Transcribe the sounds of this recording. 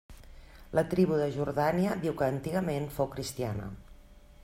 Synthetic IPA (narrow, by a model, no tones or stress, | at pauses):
lət̪ɾiβ̞uðəʒuɾðaniəðiwkəːnt̪iɣəmenfowkɾist̪ia̰nə̰